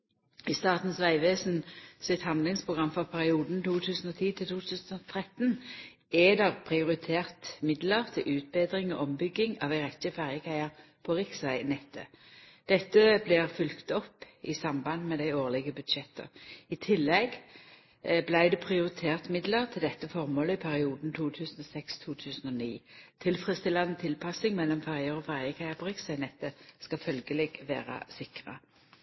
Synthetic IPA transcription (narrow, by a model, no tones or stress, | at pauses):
ɪst̪ɑːʁt̪n̩sʋæɪʋeːsn̩sɪt̪hɑnd̪lɪŋspʰʁʊɡʁɑmfɔʁpʰæʁɪuːd̪n̩t̪ʰuːt̪ʰʉːsn̩ɔːt̪ʰiːt̪ʰɪlt̪uːt̪ʰʉːsn̩ɔt̪ʰʁɛt̪n | ɛd̪ɛʁpʰʁɪʊʁɪt̪ʰeːʁt̪mɪd̪ləʁt̪ʰɪlʔʉːt̪̚beːd̪ʁɪŋɔ̰ʔɔmbʏɡːɪŋɑʋæɪʁɛtːəfæʁjəkʰæɪəʁ | pʰɔʁɪksʋæɪnɛt̪ʰːə̰d̪̥ɛt̪ːəblɪʁfʉlkt̪ɔpː | ɪsɑmbɑnd̪mɛd̪æɪoːʁlɪɡəbʉd̪ʃɛt̪ə̰ɪt̪ʰɪlːɛɡ | blæɪd̪ɛpʰʁɪʊʁɪt̪ʰeːʁt̪mɪd̪ləʁt̪ʰɪld̪ɛt̪ːəfɔʁmoːləɪpʰæʁɪuːd̪n̩t̪ʰuːt̪ʰʉːsənɔsɛkst̪ʰuːt̪ʰʉːsən̩ɔniːt̪ʰɪlfʁəst̪ɪlɑnət̪ʰɪlpʰɑsɪŋmɛlːɔmfæʁjəɾɔːfæʁjəkʰæɪəpʰɔʁɪksæɪnɛt̪ːəskɑfœlɡəlɛːɡʋḛːʁə̰sɪkʁə̰